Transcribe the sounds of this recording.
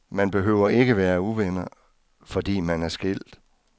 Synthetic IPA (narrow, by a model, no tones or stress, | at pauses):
mænb̥e̝ɦøʊ̰ɐʔe̝ɡ̥əʋæːɐuʋenɐ | fɒ̽d̥ḭːmænæɐsɡ̥el̰d̥